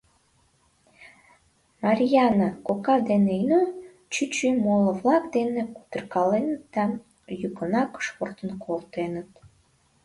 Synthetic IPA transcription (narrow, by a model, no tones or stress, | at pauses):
mɑɾʲjɑnəkokɑd̪eneinø | t͡ɕyt͡ɕymoləβlɑkd̪eneku̥t̪ərkɑlenət̪ːɑn | jukənɑkə̥ʃport̪ənkʰolt̪enət̪